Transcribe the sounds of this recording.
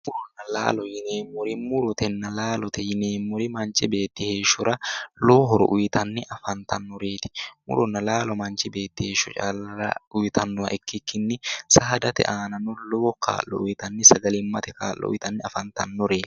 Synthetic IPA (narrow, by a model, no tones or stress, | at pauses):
mʊɾʊnːɐla̰ːlɔjɪneːmːʊɾɪmʊɾʊt̪ɛnːɐlaːlɔt̪ɛjɪneːmːɔɾɪmɐnt͡ʃɪbe̞ːt̪ːɪhe̞ːʃʊɾɐlo̞ːɦɔɾɔ̰ʔʊjɪt̪ɐnːɪʔɐfɐnt̪ɐnːɔɾe̞ːt̪ɪ̥mʊ̰ɾɔnːɐlaːlɔmɐnt͡ʃɪbe̞ːt̪ːɪhe̞ːʃːʊt͡ʃʼa̰ːlɐɾɐ̰ʊjt̪ʰɐnːʊɐʔɛkːɪkːɪnːɪsaːd̪ɐt̪ɛ̰ʔaːnɐnɔloːkʰa̰ːlːɔ̰ʊjɪt̪ɐnːɪsɐɡɐlɪmːɐt̪ɛka̰ːlːʔɔ̰ʔʊ̰jɪt̪ɐnːɪɐfɐnt̪ɐnːɔɾeːt̪ɪ̥